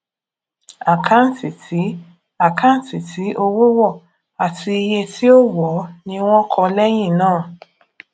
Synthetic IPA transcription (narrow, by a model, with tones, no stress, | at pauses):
a˨kʰa˦n̩˨ti˨ti˨˦ | a˨kʰa˦n̩˨ti˨tʰi˨˦ʔo˧wo˦wɔ˦˨ | a˨ti˧i˧je˧ti˦o˦wɔ˨˦nĩ˧w̃ɔ̃˦kʰɔ˧lɛ˦j̃ĩ˦˨nãː˦˨